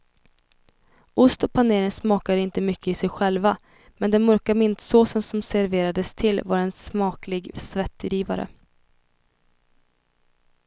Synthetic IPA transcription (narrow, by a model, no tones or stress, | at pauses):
ʊst̪ɔpʰaneːɾɪŋsmɑːkad̪əɪnt̪əmʏkʰːəɪsɛjɧɛlva | mɛnd̪ɛnmœɾkamɪnt̪soːsənsɔmsæɾveːɾad̪əst̪ʰɪlvaɾɛnsmɑːklɪɡsvɛt̪ːɾiːva̰ɾə̰